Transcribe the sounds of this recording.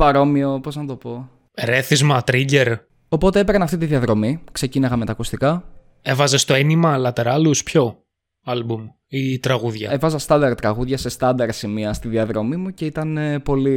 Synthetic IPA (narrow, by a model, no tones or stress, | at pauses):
pɐɾo̞mio̞po̞znɐt̪o̞po̞ | ɾe̞θizmɐt̪ɾiɟe̞ɾ | o̞po̞t̪eepeɾɐnɐft̪it̪iðiɐðɾo̞mikse̞cineɣɐme̞t̪ɐkust̪ikɐ | e̞vɐze̞st̪o̞enimɐlɐt̪eɾɐluspço̞ | ɐlbum | it̪ɾɐɣuðʝɐevɐzɐst̪ɐnd̪ɐɾt̪ɾɐɣuðʝɐse̞st̪ɐnd̪ɐɾsimiɐst̪iðiɐðɾo̞mimuce̞it̪ɐnepo̞li